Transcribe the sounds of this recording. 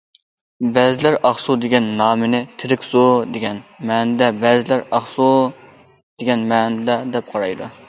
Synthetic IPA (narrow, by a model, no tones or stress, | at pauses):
bɛzɪlæɾɑχsud̪eɡʲɛnːɑːmɪnɪt̪ʰɪɾɪkʲz̥od̪eɡʲɛnmɛnd̪ɛbɛzɪlæɾɑχsu | d̪̥eɡʲɛnmɛnd̪ɛd̪ɛp̚qʰɑɾɑjd̪u